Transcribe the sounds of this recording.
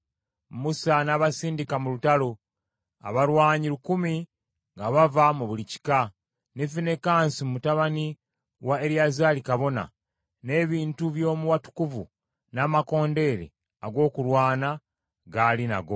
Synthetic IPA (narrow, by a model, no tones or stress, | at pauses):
musanaːβasiːndikamulutalo̞ | a̰βaɾwaːɲiɾukumi | ŋɡaβavamuβulici̥ka | nefine̞kaːnsimumutaβani | waeɾiazaːlikaβo̞na̰ | ne̞ːβiːntuβjo̞ːmuwatu̥kuvu | naːmako̞ːnde̞ɾḛ | a̰ɡo̞ːkulwaːna | ɡalina̰ɡo̞